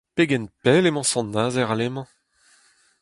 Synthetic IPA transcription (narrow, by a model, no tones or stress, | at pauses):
peɡɛnpɛlemɑ̃sɑ̃nːaːzɛʁalemɑ̃